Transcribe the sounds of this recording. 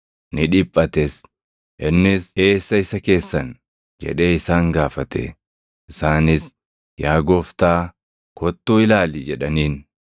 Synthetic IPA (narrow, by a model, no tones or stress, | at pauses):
nɪᶑɪpʼːɐt̪es | ʔɪnːɪse̞ːsːɐɪsɐke̞ːsːɐn | d͡ʒɛ̰ᶑe̞ːɪsaːŋɡaːfɐt̪ɛ̰ | ɪsaːnɪs | jaːɡɔft̪aː | kɔt̪ːuːɪlaːliːd͡ʒɛᶑɐniːn